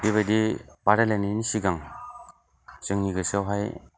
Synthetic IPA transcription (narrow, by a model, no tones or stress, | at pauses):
biβadipaɾaleninisiɡaŋ | sɯŋniɡɯsɯwɦaj